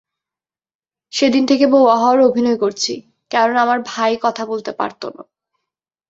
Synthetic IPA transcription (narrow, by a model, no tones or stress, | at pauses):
ʃed̪int̪ʰekebowaɦɔaɾobʱinɔekoɾt͡ɕʰi | kɛɾonamaɾbʱajkɔt̪ʰabolt̪epa̰ɾt̪o̰no̰